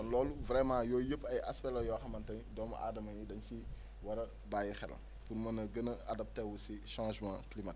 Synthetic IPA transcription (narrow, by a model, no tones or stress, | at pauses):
ɔnlɔːluvɾɛmãjɔːjəpːɐjʔɐ̰spɛlɔjɔxɐmɐntɐndɔmɐ̰ʔa̰ːdɐmɐɲjidɐɲci | wɐɾɐ | baːjixɛ̰l̰ | punmɐnɐɡənɐadɐp̚tɛwusiʃãːʒmã̰ːklimɐt